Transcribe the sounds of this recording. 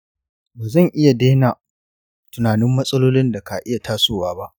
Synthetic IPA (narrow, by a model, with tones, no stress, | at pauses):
baː˨zɐ˦˨ŋʔɪ˦ja˨deː˦naː˨ | tʊ˨naː˨nɪ˦mːɐ˦sʼɐ˦loː˦lɪ˦nda˨ka˨ʔɪ˦ja˨tʰaː˦soː˦˨waː˦ba˦ʔ